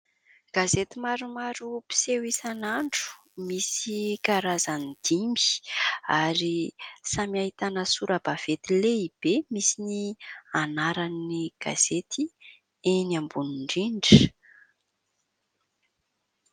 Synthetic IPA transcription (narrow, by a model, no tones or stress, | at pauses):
ɡ̥azet̪imaɾumaɾupi̥sewisanaɳɖ͡ʐu̥ | misikaɾazanid̪̥imbi̥aɾisamiaɦit̪anəsuɾəb̥av̥et̪ileib̥emisinianaɾanːiɡ̥a̰z̥et̪ʰi | enambunuɳɖ͡ʐiɳɖ͡ʐə